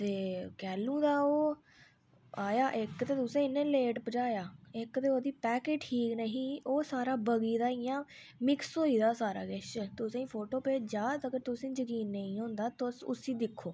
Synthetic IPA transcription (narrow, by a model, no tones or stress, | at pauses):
t̪eːkɛːlũːd̪aːoː | aːjaːʔɪkt̪eːt̪ʊsẽːɪnːẽːleːʈpəd͡ʒaːjaːɪkt̪eːoːd̪iːpɛːkeːʈʰːiːknəɦiːoːsaːɾaːbəɡiːd̪aːijãː | mɪksɦoːiːd̪aːsaːɾa̰ːɡɛʃt̪ʊsẽːĩːpʰoːʈoːpeːd͡ʒaːt̪əɡəɾt̪ʊsẽːd͡ʒəkiːnːəĩːɦõːnd̪aːt̪osʊ̰sĩːd̪ɪkʰːoː